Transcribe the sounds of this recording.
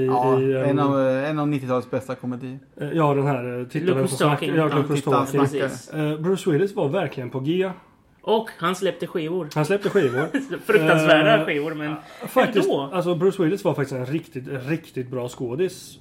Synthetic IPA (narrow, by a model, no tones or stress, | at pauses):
ɪɪɛɛnvɛnavnɪt̪ːɪt̪ʰɑlət̪sbɛst̪akʰɔmɛd̪iː | jɑːd̪ɛnɦæːɾt̪ʰɪt̪ːvɛɔsɛfɔst̪ɔkɪ | bɾʉʂwɪlɪsvaɾvæɾklɪɡənpʰɔɡeː | ʔɔkhanslɛp̚t̪əɧiːvʊɾhanslɛp̚t̪əɧiːvʊɾfɾɵansvæːɖaɧiːvʊɾmɛnfak̪ɪals̬ɔbɾʉːʂwɪlɪsvaɾfak̚t̪ɪst̪ɛnɾɪkt̪ɪt̪ɾɪkt̪ɪt̪̚bɾɑːskoːd̪ɪs